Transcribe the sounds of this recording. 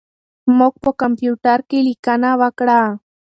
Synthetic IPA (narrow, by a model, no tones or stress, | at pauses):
mok̚pokompjut̪aɾkɪlɪkanawakɽaː